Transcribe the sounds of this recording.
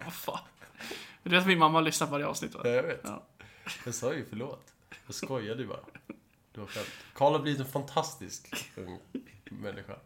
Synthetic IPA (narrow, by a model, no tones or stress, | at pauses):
afɑː | d̪ɛeːt̪̬ɔmɪnmamːahalʏsnat̪pʰɔvaɾjəɑ̰ːʋsnɪt̪ːʋa̰ːjaveːt̪ɑ̰ːjasɑːjəfœɭoːt̪ | jaskɔjːad̪ɵbɑ̰ːɾa̰ | d̪̥ɵhaɾɧɛmt̪kʰɑːɭhaɾbliːvɪt̪ɛnfant̪ʰast̪ɪ̰skɵ̰ŋːmɛnːʔɪɧa̰